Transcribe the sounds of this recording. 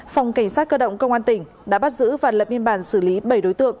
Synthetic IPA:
fa˨˩wŋ͡mka˧˩ŋ̟saː˦˥t̚kəː˧ɗə̰˧˨wŋ͡mkə˧wŋ͡mʔaː˧nt̪ï˧˩ŋ̟ | ɗa̰ː˧˥ɓa˦˥t̚zɨ̰˧˥vaː˨˩nlə˨˩p̚ɲi˧ənɓaː˧˩nsɨ˧˩li˨˦ɓə˧˩jɗo˨˦jt̪ɨ̰˧˨əŋ

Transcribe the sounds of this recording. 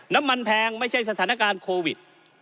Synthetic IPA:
na˦˥mːa˧npʰɛː˧ŋma˥˩jt͡ɕʰa˥˩jsa˧t̪ʰaː˩˦na˧kaː˧nkʰoː˧wi˨˩t̪̚

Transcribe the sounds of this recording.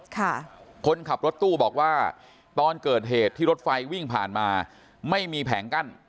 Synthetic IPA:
kʰa˥˩kʰo˧nkʰa˨˩p̚ɾo˦˥t̪ːuː˥˩bɔː˨˩k̚waː˥˩ | t̪ɔː˧nkɤː˨˩t̪̚ɦeː˨˩t̪ʰːiː˥˩ɾo˦˥t̪̚fa˧jwi˥˩ŋpʰaː˨˩nmaː˧ | ma˥˩jmiː˧pʰɛː˩˦ŋka˥˩n

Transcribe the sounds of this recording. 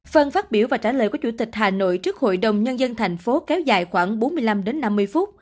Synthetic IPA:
fə˧nfaː˦˥t̚ɓi˧˩əwvaː˨˩t͡ɕaː˧˩ləː˨˩jkɔ˨˦wt͡ɕu˧˩t̪ï˨˩k̟̚haː˨˩no̰˧˨jt͡ɕɨ˦˥ək̚ho̰˧˨jɗə˨˩wŋ͡mɲə˧nzə˧nt̪ʰɛ˨˩ŋ̟fo˨˦kɛ˨˦wza̰ː˧˨jxwaː˧˩ŋɓo˨˦nmɨ˧əjla˧mɗe˨˦nːa˧mːɨ˧əjfu˦˥t̚

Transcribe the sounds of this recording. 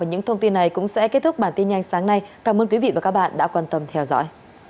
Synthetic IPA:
a˨˩ɲɨ̰˧˥ŋt̪ʰə˧wŋ͡mt̪i˧nːa˨˩jkʊ̰˧˥ŋ͡msɛ̰˧˥ke˦˥t̚t̪ʰʊ˦˥k͡p̚ɓaː˧˩nt̪i˧nɲa˧jŋ̟saː˨˦ŋna˧jkaː˧˩mʔəː˧nkwi˨˦vḭ˧˨vaː˨˩ka˦˥k̚ɓa̰ː˧˨nɗa̰ː˧˥kwaː˧nt̪ə˧mt̪ʰɛ˧wzɔ̰˧˥j

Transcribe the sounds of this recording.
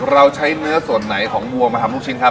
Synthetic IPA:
ɾa˧wt͡ɕʰa˦˥jnɯ˦˥ɐsu˨˩ənːa˩˦jkʰɔː˩˦ŋbu˧˩əmaː˧a˧˥mluː˥˩kt͡ɕʰi˦˧˥nkʰa˦˥

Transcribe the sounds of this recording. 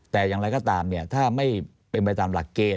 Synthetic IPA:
t̪ɛː˨˩jaː˨˩ŋɾa˧jkɔː˥˩t̪aː˧mni˥˩ɐt̪ʰaː˥˩ma˥˩j | pe˧npa˧jt̪aː˧mla˨˩kːeː˧

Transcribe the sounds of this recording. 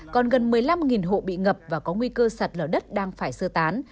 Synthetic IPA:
kɔ˨˩nɣə˨˩nmɨ˨˩əjla˧mŋi˨˩nɦo̰˧˨ɓḭ˧˨ŋə˨˩p̚vaː˨˩kɔ˨˦ŋwi˧kəː˧sa˨˩t̚ləː˧˩ɗə˦˥t̚ɗaː˧ŋfaː˧˩jsɨ˧ət̪aː˨˦n

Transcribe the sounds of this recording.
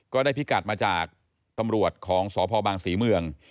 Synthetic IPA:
kɔː˥˩daː˥˩jpʰi˦˥˩ka˨˩t̪̚maː˧t͡ɕaː˨˩k̚ | t̪a˧mɾu˨˩ət̪̚kʰɔː˩˦ŋsɔː˩˦pʰɔː˧baː˧ŋsiː˩˦mɯ˧əŋ

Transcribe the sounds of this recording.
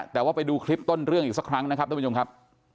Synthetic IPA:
t̪ɛː˨˩waː˥˩pa˧jduː˧kʰɾi˦˥p̚t̪o˥˩nɾɯ˥˩əŋʔiː˨k̚sa˦˥kʰɾa˦˥ŋna˥kʰa˦p̚t̪ːʰo˧mkʰa˦˥p̚

